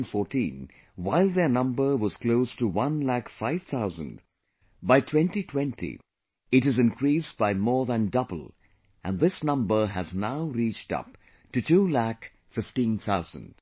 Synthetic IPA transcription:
nfɔɹtĩn | waɪlˠðə˞nʌ̃mbə˞wʌz̥kloʊstəwʌ̃nlækfaɪv̥t̪ʰaʊzə̰̃nd | baɪtʰwɛ̃ntitʰwɛ̃ntḭ | ɨɾɨzɨ̃nkʰɹisbaɪmɔɹðə̃ndʌbəl̩ˠ | ʔɨ̃nðɪsnʌ̃mbə˞ɨznaʊɾit͡ʃtʌ̰p̚ | tɨtʰulæk | fɪftĩnθʰaʊzə̰̃nd̥

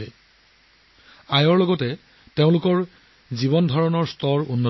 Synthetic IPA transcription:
ɛ | ajɔɹlɔɡɔtɛ | teʊ̃lʊkɔɹ | zibɔndʱɔɹɔnɔɹstɔɹunːɔ

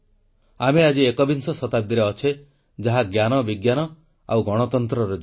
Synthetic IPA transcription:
amead͡ʒiekɔbinsɔsɔt̪ab̚d̪iɾeɔt͡ʃʰe | d͡ʒaɦaɡjanɔbiɡjanɔ | a̰wɡɔɽ̃ɔt̪ɔnt̪ɾɔɾɔd͡ʒ

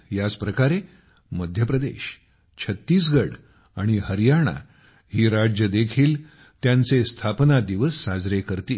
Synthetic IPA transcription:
jad͡zpɾəkaɾe | məd̪ʱjəpɾəd̪ḛɕ | t͡ɕʰət̪ːiːsɡəɽ | aɽ̃iɦəɾjaɳ̃a̰ | ɦiːɾad͡ʑjəd̪ekʰiːl | t̪jãnt͡sest̪ʰapnad̪iʋəsːad͡zɾekəɾt̪iː

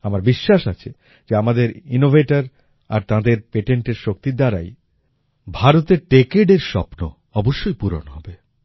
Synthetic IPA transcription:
amaɾbiʃːaʃat͡ɕʰe | d͡ʑeamad̪eɾinovʱeʈaɾ | a̰ɾt̪ãd̪eɾpeʈeɳʈeɾʃok̚t̪id̪aɾa̰j | bʱaɾot̪eɾʈekeɖeɾʃɔ̰pno̰ | ɔboʃːojpuɾo̰nɦɔbe

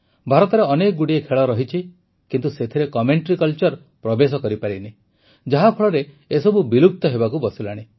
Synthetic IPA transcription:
bʱaɾɔt̪ɔɾeɔnek̚ɡuɽiekʰeɭɔɾɔɦit͡ʃʰi | kint̪uset̪ʰiɾekɔmeɳʈɾikɔlt͡ʃɔɾ | pɾɔbes̬ɔkɔɾipaɾini | d͡ʒaɦapʰɔɭɔɾeː | sɔbubilup̚t̪ɔɦebakubɔsilaɽ̃i

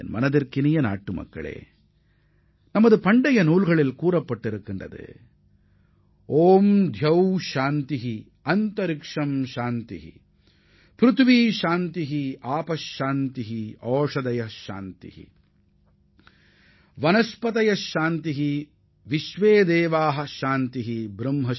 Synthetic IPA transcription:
nmɐ̰nɐðɐɾkinijɐna̰ːʈːɯmɐ̰kːɐ̰ɭḛː | nɐmːɐðɯpɐɳɖɐjɐnuːlɣɐɭilkuːɾɐpːɐʈːiɾɯkːɪndɐ̰ðɯ̰ | oːmd̪ʱjɐwʃaːnt̪iɦi | ɐnt̪ɐɾɪkʂɐmʃaːnt̪ḭɦḭ | pɾut̪ʰʋiːʃaːnt̪iɦiaːpɐʃːaːnt̪iɦiɔːʂɐd̪ɐjɐʃa̰ːnt̪ḭhḭ | ʋɐnɐspɐt̪ɐjɐʃaːnt̪iɦi | ʋiʃʋeːd̪ɛːʋaːɦɐʃaːnt̪iɦibɾɐmɦɐ

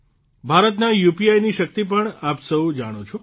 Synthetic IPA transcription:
bʱaɾət̪najupiajniʃəkt̪ipəɳapsəũd͡ʒaɽ̃ot͡ʃʰo

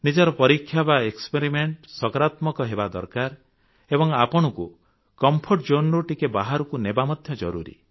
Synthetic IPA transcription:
nid͡ʒɔɾɔpɔɾikʰːjabaekspeɾimeɳʈsɔkɔɾat̪mɔkɔɦebad̪ɔ̰ɾkaɾ | ebɔŋapɔɽ̃ɔku | kɔmpʰoɾʈd͡ʒonɾuʈikebaɦaɾɔkunebamɔd̪ʱjɔd͡ʒɔɾuɾḭ

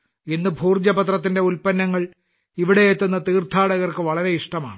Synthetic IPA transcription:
enːɨbʱuːrd͡ʑɐbɐt̪rɐt̪̬ːinde̞ulpɐnːɐŋːɐɭ | iʋiɽe̞et̪ːunːɐt̪iːrt̪ʰaːɽɐɣɐrkɨʋɐɭɐɾe̞iʂʈɐma̰ːɳɨ

